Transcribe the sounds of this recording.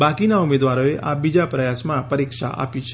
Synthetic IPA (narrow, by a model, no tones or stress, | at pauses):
bakinaumed̪ʋaɾoeʔʔabid͡ʒapɾəjasmãpəɾikʃa̰ʔa̰pi